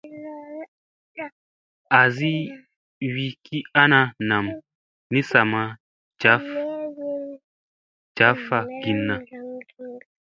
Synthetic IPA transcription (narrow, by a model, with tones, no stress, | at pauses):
a˨zi˦ | wi˦ki˦a˦na˧na˨m | ni˦sa˨ma˨ | d͡ʒt͡ʃa˨˦f | t͡ʃa˨˦fa˨ɡi˨nːa˨